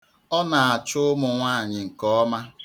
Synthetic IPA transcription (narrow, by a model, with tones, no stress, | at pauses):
ɔ˦na˨a˨t͡ʃʊ˦ʊ˦mʊ˨ŋʷaː˦˨ɲɪ˨ŋ̩˨kɔ˦ɔ˦ma˦